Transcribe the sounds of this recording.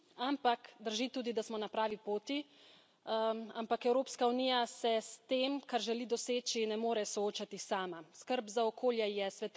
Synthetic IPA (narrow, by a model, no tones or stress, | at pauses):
ampakd̪əɾʒit̪uːd̪id̪asmɔnapɾaːʋipoːt̪i | ampakɛwɾoːpskauniːjasɛst̪eːmkaɾʒɛlid̪ɔseːt͡ʃinɛmoːɾɛsɔoːt͡ʃat̪isaːmaskəɾbzaɔkʰoːljɛjɛsʋɛt̪